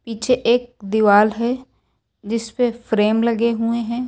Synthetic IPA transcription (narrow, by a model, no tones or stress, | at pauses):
piːt͡ʃʰeʔeːk̚d̪iʋaːlɦɛ | d͡ʒɪspefɾeːmlɐɡeɦueɦɛ̃ː